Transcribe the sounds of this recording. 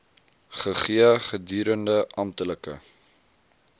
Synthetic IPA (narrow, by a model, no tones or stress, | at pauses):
χəχiəχədyːɾəndəʔɐmtələkə̰